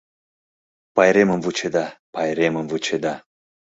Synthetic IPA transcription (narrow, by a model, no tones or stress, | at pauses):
pajɾemənvut͡ʃed̪apajɾemənvut͡ʃed̪a